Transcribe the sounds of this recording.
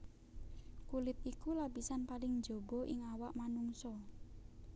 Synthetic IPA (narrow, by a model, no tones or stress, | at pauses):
kulɪt̪̚ikulapisanpalɪŋd͡ʒo̤bɔ̤ʔɪ̰ŋawaʔmanuŋsɔ